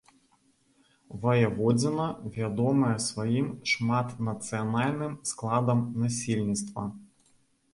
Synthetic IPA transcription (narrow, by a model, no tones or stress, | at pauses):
vɐjɐvɔd͡zʲɪnɐvʲad̪ɔmɐjɛsvɐjimʂmat̪nɐt̪sɨjanalʲnɨmsklˠad̪ɐmnasʲilʲnʲit̪st̪vɐ̰